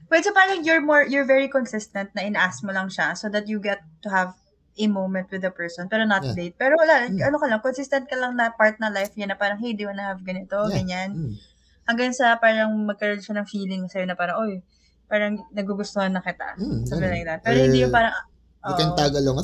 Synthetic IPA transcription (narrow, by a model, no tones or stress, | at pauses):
pwɛd̪sopaɾɐŋjɔɹmɔɹjɔɹvɛɹikɔnsɪst̪ɐnt̪̚nɐʔɪnɐʔasmolɐŋʃɐsod̪ɐt̪̚juɡɛt̪ːʊhɐv | ʔɛmowmɛ̃nt̪wɪd̪ɐpɛɹsɔnpɛːɾonɐt̪̚let̪̚pɛːɾolaʔɐnokɐlɐŋkɔnsɪst̪ɛnt̪kɐlɐŋnɐpaɹt̪̚nɐlajfjɐnːɐpaːɾɐŋhɪnd̪imɐnɐhɐvɡɐnɪt̪oɡɐɲan | hɐŋɡaŋsɐpaːɾɐŋmɐɡ̚kɐɾonʃɐnɐŋfiːlɪŋsɛjnɐpaːɾɐŋʔoj | paːɾɐŋnɐɡuɡʊst̪ohɐnːɐŋkɪt̪a̰ʔsɐbɪlajk̚d̪ɐt̪̚pɛːɾohɪ̃ndijʊŋpaːɾɐŋ | ʔoʔkɛnt̪aɡɐloŋ